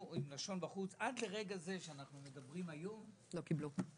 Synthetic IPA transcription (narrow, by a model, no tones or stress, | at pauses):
imlaʃo̞nbaχut͡sadle̞ʁe̞ɡaze̞ʃeanaχnume̞dabʁimajo̞m | lo̞kiblu